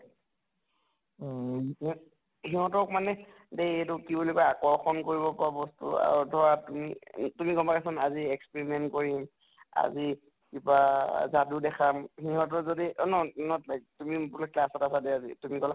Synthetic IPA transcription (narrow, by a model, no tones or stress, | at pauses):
hi | hiɦɔ̃tɔkmanɛ | dejetʊkibulikɔaakɔɹxʰɔnkoɹibɔpɔabɔstṵa̰ɹudʱɔɹatumḭtumikɔmpakɛsɔnaziɛkspeɹimɛntkoɹim | a̰zi | kibazadudɛkʰamhiɦɔ̃t̬ɔzodiɔnɔnɔlatumipulɔklasɔtasadeazḭtumikɔla